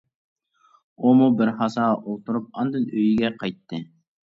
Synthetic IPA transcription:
umubɪɾχɑsɑʔolˠt̪ʰuɾup̚ɑnd̪ɨnøjiɡʲɛqʰɑjt̪ʰːɨ

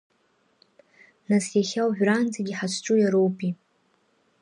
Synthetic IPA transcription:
nasjaχʲawʕᶣʷrand͡zaɡʲiħat͡ʃʷʰʈ͡ʂʷʼujaɾowpʼi

